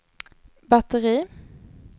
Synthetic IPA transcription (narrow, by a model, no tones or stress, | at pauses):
bɑt̪əʁiː